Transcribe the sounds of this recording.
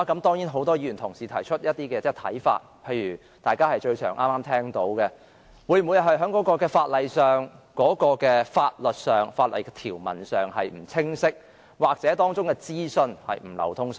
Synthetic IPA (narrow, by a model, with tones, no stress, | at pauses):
kɐ˨˥mt̪ɔː˥ŋjiː˨˥nɦo˨˥wt̪ɔː˥jiː˨˧˥y˨˩nt̪ʰʊ˨˩ŋsiː˨t̪ʰɐ˨˩jt͡ʃʰɵ˥t̚jɐ˥t̚t̪iː˥kɛː˧t͡sɛː˥˩t̪ʰɐ̰˨˥jfa̰ː˧t̚pʰe˧jɥyː˨˩ | t̪aː˨jkaː˥hɐ˨jt͡ʃɵ˧ɥt͡ʃʰœː˨˩ŋʔa̰ː˥mːaː˥mt̪ʰɛː˥ŋt̪o˨˥wkɛ˧ | wu˨˧jm˨u˨˧jɦɐ˨jɦœː˨˥ŋkɔ˨˥kɔː˧kɛː˧faː˧t̚lɐ˨jsœː˨˩ŋkɔː˨˥kɔː˧kɛː˧faː˧t̚lɵ˨t̚sœː˨˩ŋfaː˧t̚lʔɐ̰˨jkɛ˧t̪ʰiː˨˩wmɐ̰˨˩nsœː˨ŋhɐ˨jm̩˨˩t͡sʰɪ˥ŋsɪ˥k̚ | waː˨˩k̚t͡sɛː˨˥t̪ɔː˥ŋt͡sʊ˥ŋkɛ˧t͡siː˥sɵ˧nhɐ̰˨jm̩˨˩lɐ̰˨˩wt̪ʰʊ˥ŋs